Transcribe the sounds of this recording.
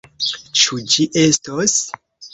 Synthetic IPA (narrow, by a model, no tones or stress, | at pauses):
t͡ʃud͡ʒiʔe̞stos